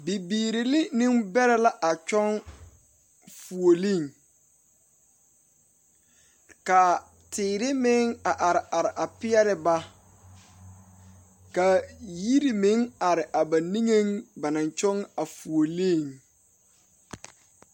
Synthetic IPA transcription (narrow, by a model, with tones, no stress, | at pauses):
bi˨biː˨ɾi˨lɪ˦nĩ˦ŋbɛ˦ɾɛ˦la˦ʔa˨t͡ʃɔ˦ŋ | fu˨o˨li˦˨ŋ | ka˨ | tʰɪː˨ɾɪ˦mɪ˦ŋa˨ʔa˨ɾɪ˨ʔa˨ɾɪ˨ʔa˨pɪ˦ɛ˦ɾɪ˨ba˦ | ka˨ji˦ɾi˨mɪ˨˦ŋa˨ɾɪ˨ʔa˨ba˨ni˦ŋe˦ŋba˨nã˨nt͡ʃɔ˦ŋa˨fu˨o˨li˦˨ŋ